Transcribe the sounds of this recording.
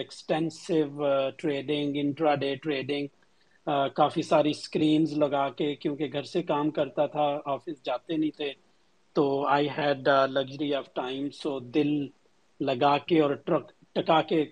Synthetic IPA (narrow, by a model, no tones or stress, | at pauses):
ɛksʈɛ̃nsɪʋʈɾeːɖɪ̃ŋɡɪ̃ɳʈɾaɖeːʈɾeːɖɪ̃ŋɡ | kaːfisaːɾiskɾiːnzlɐɡaːkekjõːkeɡʱɐɾsekaːmkɐɾt̪at̪ʰaɔːfɪsd͡ʒaːt̪enɐɦĩt̪ʰe | t̪oːaːɪɦɛːɖlɐɡʒəɾiɔːʋʈaːɪmzoːd̪ɪlː | ɐɡaːkeɔːɾʈɐk | ʈɐkake